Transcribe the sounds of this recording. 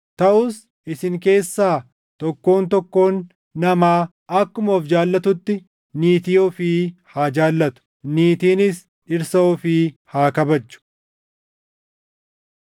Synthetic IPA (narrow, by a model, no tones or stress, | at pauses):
t̪ɐʔʊs | ɪsɪŋk̬e̞ːsːaː | t̪ɔkːo̞ːnt̪ɔkːo̞ːnː | ɐmaː | ɐkːʊmoːfd͡ʒaːlːɐt̪ʊt̪ːɪ | niːt̪ɪjoːfiːhaːd͡ʒaːlːɐt̪ʊ̥ | niːt̪iːnɪs | ᶑɪɾsɐɔfiːhaːkɐbɐd͡ʒːʊ̥